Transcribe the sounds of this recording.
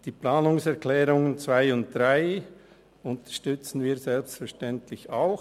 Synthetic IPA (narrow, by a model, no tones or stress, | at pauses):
d̥iːplaːnʊŋsɛʁkʰlɛːɾʊŋənt͡svaɪʊnt̚d̥ʁaɪ | ʊntə̥ʃtʏt͡sn̩viːɐzɛlpstfɛʁʃtɛntlɪçaʊx